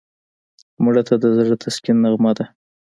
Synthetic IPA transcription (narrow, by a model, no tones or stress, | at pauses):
muɽat̪ʰad̪əzɽət̪ʰaskinːaɣmɑd̪a